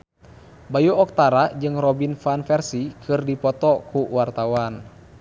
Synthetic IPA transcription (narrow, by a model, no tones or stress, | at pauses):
bajuɔk̚t̪aɾad͡ʒɨŋrɔbinfanfɛrsikʰɨrdipɔt̪ɔkuwart̪awan